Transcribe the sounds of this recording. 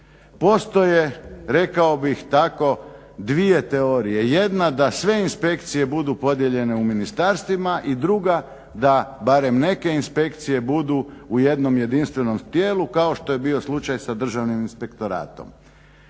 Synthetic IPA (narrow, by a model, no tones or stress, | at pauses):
po̞st̪o̞je̞ɾe̞kao̞bixt̪ako̞ | d̪ʋie̞t̪e̞oɾije̞je̞d̪nad̪asʋe̞inspe̞kt̪sije̞bud̪upo̞d̪je̞ʎe̞ne̞uminist̪aɾst̪ʋimaʔid̪ɾuɡa | d̪abaɾe̞mne̞ke̞inspe̞kt̪sije̞bud̪uuje̞d̪no̞mje̞d̪inst̪ʋe̞no̞mt̪je̞ːlukao̞ʃt̪o̞je̞bio̞slˠut͡ʃajsad̪r̩ʒaʋniminspe̞kt̪o̞ɾa̰ːt̪o̞̰m